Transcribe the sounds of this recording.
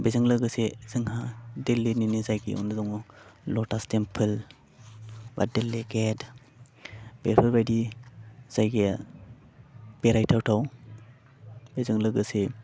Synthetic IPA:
bezɯŋlɯɡɯsez̥ɯŋhadelːeninizajɡḭʔɔ̰nɯzɔŋulɔtastempʰɯl | ba̰delːeɡet | b̥eɾpʰɯɾbajdi | z̥ajɡija | b̥eɾajtʰawtʰaw | bezɯŋlɯɡɯse

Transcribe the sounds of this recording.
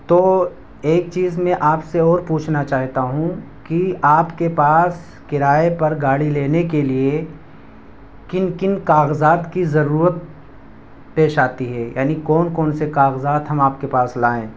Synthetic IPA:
t̪oː | eːk̚t͡ʃiːzmɛ̃ʔaːpseɔːɾpuːt͡ʃʰnat͡ʃaːɦt̪aɦũkiaːpkepaːs | kɪɾaːepɐɾɡaːɽileːnekelie | kɪnkɪnkaːɣzaːt̪kizɐɾuːɾət̪̚ | peːʃaːt̪iɦɛːja̰ːnikɔːnkɔːnsekaːɣzaːt̪ɦɐmaːpkepaːslaːẽː

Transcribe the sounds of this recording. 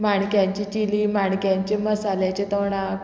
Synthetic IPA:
maɳkjaɲt͡ɕit͡ɕiliːmaɳkjaɲt͡ɕeməsaljat͡ɕet̪əwɳak

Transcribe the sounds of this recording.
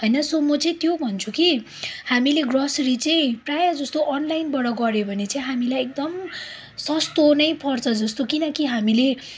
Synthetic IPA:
ɦʌjnʌsomʌt͡sʌĩt̪jobʱʌnt͡sʰuki | hamileɡrʌsɾit͡sʌĩprajad͡zʌst̪oʔʌnlajnbʌɽʌɡʌɾjebʱʌnet͡saĩɦamilajek̚d̪ʌm | sʌst̪onʌjpʌrt͡sʰʌd͡zʌst̪okinʌkiɦamile

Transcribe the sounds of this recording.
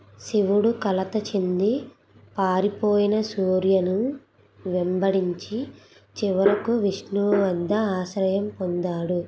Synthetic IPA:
siʋuɽukɐlɐt̪ɐt͡ʃend̪i | paːɾipoːjinɐsuːɾjɐnu | ʋembɐɽiɲt͡ʃi | t͡ʃiʋɐɾɐkuʋiʂɳuʋɐnd̪ɐaːʃɾɐjɐmpond̪aːɽu

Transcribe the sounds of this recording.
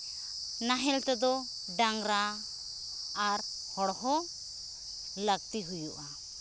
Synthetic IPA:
naɦɛlt̪ɛd̪ɔ | ɖaŋɾa | ɾ | hɔɽɦɔ | ləɡ̚t̪iɦujuʔa

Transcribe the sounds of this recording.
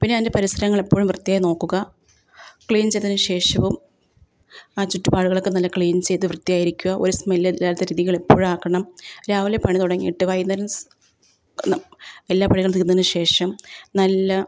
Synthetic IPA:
pinːeinde̞pɐɾisɾɐɾɐŋːɐɭe̞pːoːɻumʋrɨt̪ːijaːjino̞ːkːuɣɐ | kɭiːnt͡ɕejt̪ðɐnɨɕe̞ːʂɐʋum | aːt͡ɕutːupaːɽuɣɐɭokːenɐlːɐkɭiːnt͡ɕe̞jt̪ːɨʋrɨt̪ːijaːjiɾikʲːuɣɐʔoɾusmelelːaːɾt̪ːɐɾiːðiɣɐɭe̞pːo̞ːɻumaːkːɐɳɐmɾaːʋilepɐɳit̪uɽɐŋːḭjːʈːɨʋɐjnːɐɾun | elːaːpɐɳiɣɐɭniɾunɐɐnɨɕʂe̞ːʂɐmnɐlːɐ

